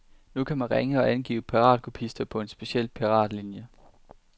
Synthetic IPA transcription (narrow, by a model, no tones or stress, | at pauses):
nukʰæmænʁeŋəɒ̽ʔænɡ̥ḭːʊpʰiʁɑ̰̈ːd̥kʰupʰisd̥ɐpʰɒ̽e̝nsb̥e̝ɕiel̰pʰiʁɑ̰̈ːd̥linjə